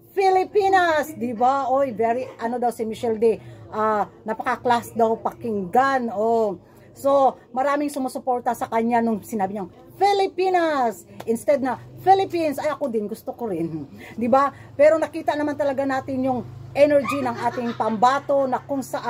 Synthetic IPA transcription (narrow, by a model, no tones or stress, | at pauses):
fɪlɪpinasd̪ɪbaʔojvɛɹiʔɐnod̪awsɪmɪʃɛld̪ɛʔanɐpɐkaklasd̪awpɐkɪŋɡano | so̞mɐɾaːmɪŋsʊmosʊpoɾt̪ɐsɐkɐɲanʊŋsɪnaːbɪɲɐŋ | fɪlɪpinɐsʔɪnst̪ɛd̪̚nɐfɪlɪpinsɐjʔɐkod̪ɪnɡʊst̪okoɾɪnd̪ɪba | pɛːɾo̞nɐkiːt̪ɐʔnɐmant̪ɐlɐɡanaːt̪ɪnjʊŋʔɛnɛɹd͡ʒinɐŋʔaːt̪ɪŋpɐmbaːt̪o̞nɐkʊŋsɐʔa